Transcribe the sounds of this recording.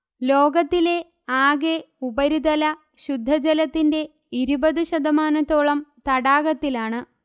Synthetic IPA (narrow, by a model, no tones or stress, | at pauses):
lo̞ːɡɐt̪ːile̞ | aːɡe̞ | ubɐɾid̪ɐlɐ | ɕud̪ʱːɐd͡ʑɐlɐt̪ːinde̞ | iɾubɐðuɕɐd̪ɐmaːnɐt̪ːo̞ːɭɐmt̪ɐɽaːɣɐt̪ːilaːɳɨ